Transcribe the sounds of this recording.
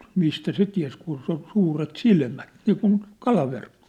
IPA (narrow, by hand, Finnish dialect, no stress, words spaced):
mistæ se tiæ̝s kun su suːret silmæt niːkun kɑlɑʋerkːo̥